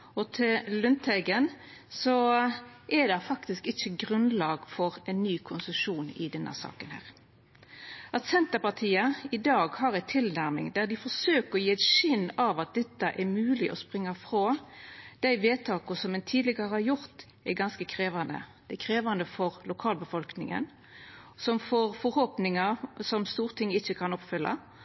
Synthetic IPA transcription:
ɔt̪ʰɪllʉnt̪ʰæɪɡən | sɔ | ʔɛd̪ɑfɑkt̪ɪskɪçːəɡɾʉnlɑːɡfɔɾɛnːyːkʰʊnsʉʃuːnɪ̰d̪ɛnːə̰sɑ̰ːkənhæ̰ːʁ | ɑt̪sɛnt̪əpɑt̪ʰiːəɪd̪ɑːɡhɑɾæɪt̪ʰɪlnæɾmɪ̰ŋd̪æd̪ɪfɔɾsøːkəɔjiːæɪt̪ʃɪnːɑʋɑt̪̚d̪ɛt̪ːəʔɛmʉːlɪʔɔspʁɪŋːɑfʁoːd̪̥æɪʋeːt̪ʰɑːkʊsɔmɛnt̪ʰiːd̪lɪɡəəhɑjʊʁt̪ | ɛɡɑnskəkʰɾeːʋɑnd̪ə̰d̪̥æɪkʰʁeːʋɑnd̪əfɔʁlʊkʰɑːlbəfɔlknɪ̰ŋə̰n | sɔmfoːʁfɔɾhoːpnɪŋəsɔmst̪uːʁt̪ʰɪŋːɪçːəkʰɑnɔpfʏlːʔɑ̰

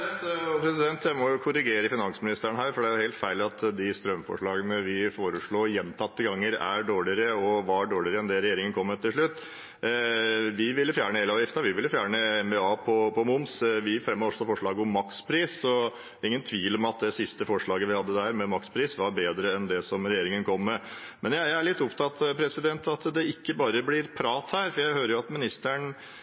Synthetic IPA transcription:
t̪ɔpʰɾɛsɪd̪ɛnt̪ʰjæɪmɔjʊkʰʊɾɪɡeːɾəfɪnɑnsmɪnɪst̪əɾəɳəɦæːɾfɔɖɛæjʊheɪlt̪fæɪlɑt̪d̪ɪst̪ɾœmfɔ̰ʂɭɑːɡənəʋɪfoːɾəʂɭoːjɛnːt̪ʰɑt̪ːəɡɑŋːəɾæ̰ɖoːɭɪɾəɔʋɑɖoːɭɪɾəɛnd̪ɛɾɛjeːɾɪŋənkʰɔmːət̪ʰːɪlʂ̬ɭʉt̪ː | ʋɪʋɪlːəfjæːɾɳəheləɑːʋjɪft̪ɑʋɪʋɪlːəfjæːɳəɛmbɛɑːpʰɔpʰɔmʊnsʋɪfɾɛmːoːʂt̪ɑfɔʂɭɑːɡɔmːɑkspʰɾiːsɔ | ɪŋːənt̪ʰʋiːlɔmɑt̪̚d̪ɛsɪst̪əfɔʂɭɑːɡəʋɪhɑd̪ːəd̪æɾmɛmɑkspʰɾiːsʋɑɾbeːd̪ɾəɛnd̪ɛsɔmɾɛjeːɾɪŋənkʰɔmːɛ | mɛnjæææɭɪt̪ːɔpt̪ʰɑt̪pʰɾɛsɪd̪ɛnt̪ɑt̪d̪ɛɪkːəbɑːɾəblɪɾpʰɾɑːt̪hæːɾfɔɾjæɪhøːɾəɾjʊɑt̪mɪnɪst̪əɳ

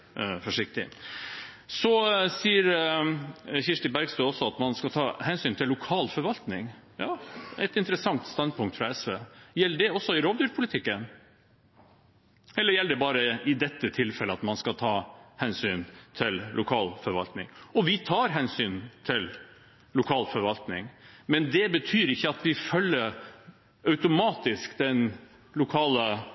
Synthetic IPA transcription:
fɔʂɪkt̪ɪ̰ | sɔsiːəɾ | çɪʂʈəbæɾɡst̪øːɔsːɔɑt̪mɑnskɑlt̪ʰɑːhɛnsyːnt̪ʰɪlːʊkʰɑːlfɔɾʋɑlt̪nɪŋjɑːɛt̪ɪnt̪əɾəsɑŋt̪st̪ɑnd̪̚pʰʊŋkt̪fɾɑɛsʋeːjɛlːəɖɛɔsːɔɪɾoːd̪ʉɾpʰʊlɪt̪ʰɪkːən | ɛlːəɾjɛlːd̪ɛbɑːɾəʔɪd̪ɛt̪ːət̪ʰɪlfɛləɑt̪mɑnskɑlt̪ʰɑːhɛnsyːnt̪ʰɪllʔʊkʰɑːlfɔɾʋɑ̰lt̪nɪ̰ŋɔʋɪt̪ʰɑːɾɦɛnsyːnt̪ʰɪl | lʊkʰɑːlfɔɾʋɑlt̪nɪŋmɛnd̪ɛbət̪ʰyːɾɪçːəɑt̪ʋɪfœlːəɾ | œʉt̪ʊmɑːt̪ɪskd̪ɛn | lʊkʰɑːlə

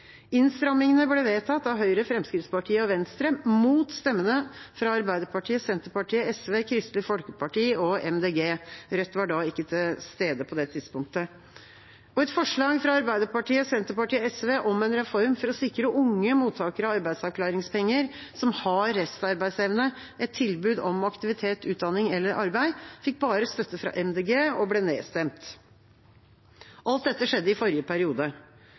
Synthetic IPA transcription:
ɪnst̪ɾɑmɪŋənəbleːʋeːt̪ʰɑt̪ːɑʋɦœʏɾəfɾɛmskɾɪft̪spɑʈʰiːəɔʋɛnst̪ɾəmuːt̪st̪ɛmːənəfɾɑɑɾbæɪd̪əɾpɑʈʰiːəsɛnt̪əpɑʈʰiːəɛsʋeːkʰɾɪst̪lɪfɔlkəpɑʈiːɔɛ̰md̪eːɡeːɾœt̪ːʋɑɖɑːɪkːət̪ʰɪlst̪eːd̪əpʰɔd̪ɛt̪ʰɪd̪spʊŋk̚t̪ə | ɔɛt̪fɔʂɭɑːɡfɾɑɑɾbæɪd̪əpɑʈiːəsɛnt̪əpɑʈiːəɛsʋeːʔɔmɛnɾɛfɔɾmfɔɾɔsɪkɾəʔʊŋːəmuːt̪ʰɑːkəɾɑɑɾbæɪd̪sɑʋkʰlɑːɾɪŋspɛŋːəɾsɔmhɑɾːɛst̪ɑɾbæɪsɛʋnə | ʔɛt̪ʰːɪlbʉːd̪ɔmɑkt̪ɪʋɪt̪ʰeːt̪ʉːt̪̚d̪ɑnɪŋɛlːəɾʔɑɾbæɪfɪk̚ːbɑːɾəst̪œt̪ːəfɾɑ̰ʔɛmd̪eːɡeːɔblɛneːst̪ɛmt̪ | ʔɑlt̪̚d̪ɛt̪ːəʂɛd̪ːəɪfɔɾjəpʰæɾɪuːd̪ə

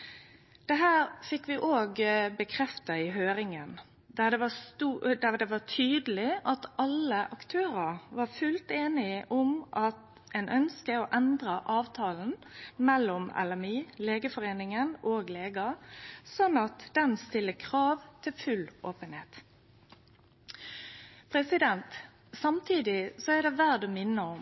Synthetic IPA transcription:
d̪̥ɛɦæːɾfɪkːʋɪʔoːɡbəkʰɾɛft̪ɑɪɦøːɾɪŋən | d̪æd̪ɛʋɑst̪ud̪æʁd̪ɛʋɑt̪ʰyːd̪əlɪʔɑt̪ʔɑləʔɑkt̪ʰøːɾəɾʋɑɾfʉlt̪eːnɪʔʊmʔɑt̪ | ɛnʔœnskəɔʔɛnd̪ɾɑʔɑːʋt̪ʰɑːln̩mɛlːɔmɛ̰lɛmiːleːɡəfɔɾeːnɪŋənoːɡleːɡɑsɔnːɑt̪d̪̥ɛnst̪ɪlːəkʰʁɑːʋt̪ʰɪlfʉloːpənheːt̪ | pʰɾɛsɪd̪ɛnt̪ | sɑmt̪ʰiːd̪ɪsɔæd̪ɛʋæɾd̪ɔmɪnːəɔm

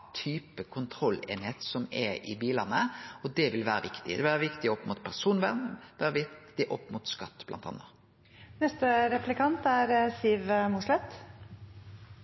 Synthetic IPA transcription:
t̪ʰyːpəkʰʊnt̪ʰɾɔlːḛːnhet̪sɔmɛʔɪ̰biːləʁnəɔd̪ɛʋɪlʋæːɾəʋɪkt̪ɪɛʋæːɾəʋɪkt̪ɪɔpːmʊt̪pʰæɾsuːnʋæ̰ʁnʋæːɾəʋɪt̪ɪʔɔpːmʊt̪skɑt̪ːblɑ̰nt̪ʰɑ̰nːə | nɛst̪əɾɛplɪkʰɑnt̪æɾsiːʋəmuʂlɛt̪

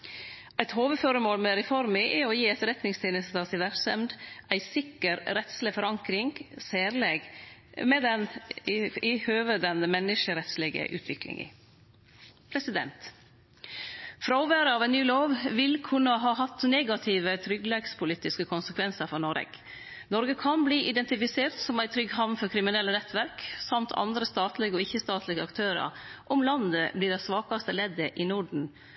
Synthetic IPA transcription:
æɪt̪hoːʋəføɾəmoːlmɛɾɛfɔɾmɪʔɛɔjiːɛt̪ɾɛt̪nɪŋst̪ʰeːnɪst̪əsɪʋæɾsɛmd̪æɪsɪkːəɾɾɛt̪slɪfɔɾɑŋkɾɪŋseːɾleːɡmɛd̪ɛn | ɪhøːʋəd̪ɛnəmɛnːɪʃəɾɛt̪slɪɡə̰ʔʉ̰ːt̪ʰʋɪklɪ̰ŋɪ̰ | pʰɾɛsɪd̪ɛ̰nt̪ | fɾɑɔʋøːɾəɑːʋɛɪnnyːloːʋʋɪlkʰʉnːəɦɑːɦɑt̪neːɡɑt̪ʰɪʋət̪ʰɾʏɡlɛɡspʰʊliːt̪ɪskəkʰʊnsəkʰʋɛnsəɾfɔnɔɾɛ̰ɡ | nɔɾɡəkʰɑnbliːʔɪd̪ɛnt̪ɪfɪseːɾt̪sɔmæɪt̪ʰɾʏɡɦɑʋnfɔɾkʰɾɪmɪnɛlːənɛt̪ʰʋæɾksɑmt̪ʰɑ̰nd̪ɾəst̪ɑːt̪lɪɡəɔɪçːəst̪ɑːt̪lɪɡəɑkt̪ʰøːɾɑ̰ɾʔɔmlɑnd̪əbliːɖɛsʋɑːkɑst̪əlɛd̪əʔɪnuɖɳ̩

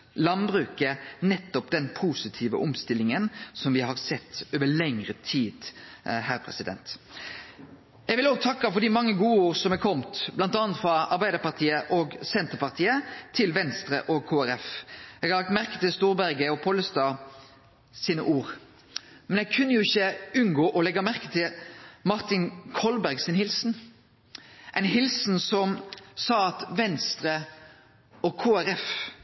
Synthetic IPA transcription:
lɑnbʁʉːkənɛt̪ːɔpd̪ɛnpʰuːsɪt̪ʰiːʋə̰ʔɔmst̪ɪlɪŋənsɔmʋɪhɑɾsɛt̪ːøːʋəlɛŋʁət̪ʰiːd̪hæːɾpʰʁɛ̰sɪd̪ɛ̰nt̪ | ɛɡʋɪloːɡ̚t̪ʰɑkːɑfɔɾd̪ɪmɑŋːəɡuːəoːʁsɔmɛkʰɔmt̪blɑnt̪ɑːɑnt̪fɾɑɑɾbæɪd̪əɾpɑʁt̪ʰiːəʔɔːɡsɛnt̪əpɑʁt̪ʰiːət̪ʰɪlʋɛnst̪ɾə̰ʔɔɡ̚kʰoːæɾɛfɛɡhɑɾlɑk̚t̪mæɾkə̥t̪ɪlst̪uːɾbæɾɡəɔpʰɔləst̪ɑː | siːnəʔuːʁ | mɛnjɛɡkʰʉnːəjʊɪçːəʉnɡoːʔɔlɛɡɑmæʁkə̥t̪ʰɪlmɑɾt̪ɪnkʰɔlbæɾɡsɪnhɪlsn̩ | ʔɛɪnɦɪlsn̩sɔmsɑːɑt̪ʋɛnst̪ɾə | ɔkʰoːæɾɛf

